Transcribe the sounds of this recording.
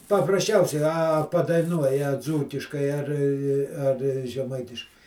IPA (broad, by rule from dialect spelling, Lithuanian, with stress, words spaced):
pɐprɐsʲˈt͡ʃʲɛʊsʲɛɪ ˈɐ pɐdɐɪˈnuɔjɛ ˈd͡zuːkʲɪʃkɐɪ ɐr ɐr ʒʲɛˈmɐɪtʲɪʃkɐɪ